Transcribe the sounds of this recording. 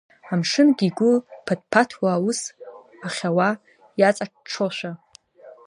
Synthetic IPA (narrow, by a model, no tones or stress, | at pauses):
amʂɨnɡʲiɡʷʊlpʰad̚pʰatʰwaːus | aχʲawa | jat͡sʼaʈ͡ʂʈ͡ʂʰoʃʷᶣa